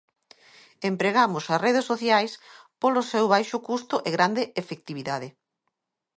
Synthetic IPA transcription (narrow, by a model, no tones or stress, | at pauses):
empɾeɣamʊsɐsreðesːoθjajspolʊsewβajʃʊkust̪ʊʔeɣɾand̪eefek̚t̪iβiðaðe